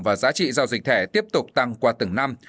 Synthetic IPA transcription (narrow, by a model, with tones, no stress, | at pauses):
vaː˨˩zaː˨˦t͡ɕḭ˧˨zaː˧wzi˨˩k̚t̪ʰɛ˧˩t̪i˦˥əp̚t̪ʊ˨˩k͡p̚t̪a˧ŋkwaː˧t̪ɨ˧˩ŋna˧m